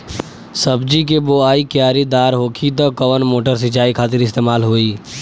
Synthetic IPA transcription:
səbd͡ʒik̬eboaːikjaːɾid̪aːɾɦoːkʰit̪ɔkəʋənmoːʈəɾsɪt͡ʃaːikʰaːt̪ɪɾɪst̪eːmaːlɦoːiː

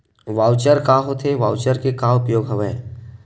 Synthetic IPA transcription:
ʋaːwt͡ʃəɾkaːɦot̪ʰeʋa̰ːwt͡ʃəɾkekaːʊpjoːɡɦəʋeː

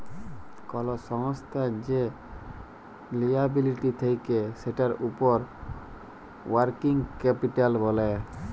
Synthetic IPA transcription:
kɔlosɔŋst̪ʰad͡ʑe | lijabiliʈit̪ʰejkeʃeʈaɾupoɾ | waɾkiŋkɛpiʈalbole

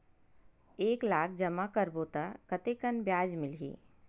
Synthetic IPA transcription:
eːklaːk̚ʰd͡ʒɐmakəɾboːt̪akɐt̪eːkɐnbjaːd͡ʒmɪlɦḭː

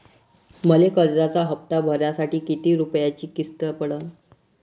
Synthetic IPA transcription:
məlekəɾd͡zat͡saɦəp̚t̪abʱəɾjasaʈiːkit̪iːɾupjat͡ɕiːkist̪əpəɽən

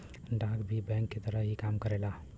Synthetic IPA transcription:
ɖãkbʱibɛ̃ŋkːet̪əɾəɦɦikamkəɾela

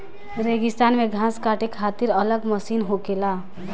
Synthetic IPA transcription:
ɾeɡist̪anmeɡʱãskaʈekʰat̪iɾʌləɡmʌsinɦokela

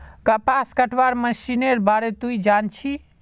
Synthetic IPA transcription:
kapaskəʈʰʋaɾməsineɾbaɾet̪uid͡ʒant͡ʃʰi

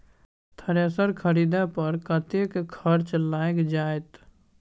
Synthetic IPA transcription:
t̪ʰəɾasəɾkʰəɾiːd̪apəɾkət̪ekkʰəɾt͡ʃlaːekd͡ʒaːet̪

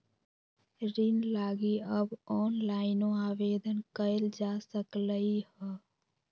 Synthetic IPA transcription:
ɾɪnlaːɡiəbɔːnlaːɪnõaːʋeːd̪ənkəeld͡ʒaːsəkləihɛː

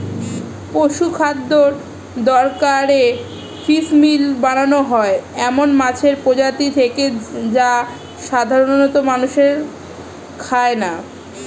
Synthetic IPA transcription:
poʃukʰad̪ːoɾ | d̪ɔɾkaɾe | fismilbaɽ̃anoɦɔeɛmonmat͡ɕʰeɾpod͡ʑat̪it̪ʰeked͡ʑa | ʃad̪ʱaɾonnɔt̪omanuʃeɾ | kʰaena

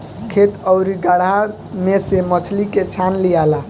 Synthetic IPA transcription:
kʰet̪əʊɾiɡaɽ̤a | mesemət͡ʃʰliket͡ʃʰanlijala

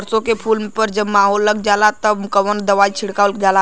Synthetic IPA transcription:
ɾsokepʰulmepəɾd͡ʒəbmaɦolːəɡ̚d͡ʒalat̪əbkəʋənd̪əʋait͡ʃʰiɽkalɡala

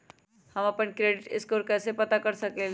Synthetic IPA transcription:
həməpənkɾeːɖɪʈɪ̰skoːɾkɛːsepɐt̪akəɾsəkel

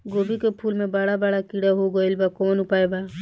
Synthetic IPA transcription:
ɡoːbikepʰuːlmẽbaɽabaːɽakiːɽaɦoɡoɪlbakɔːnʊpaːebaː

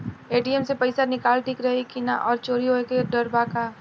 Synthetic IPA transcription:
eːʈiəmsepɐɪsanɪkaːlʈiːkɾɐɦekina̰ʔɔːɾt͡ʃoːɾiɦoːekeɖɐɾbaːkaː

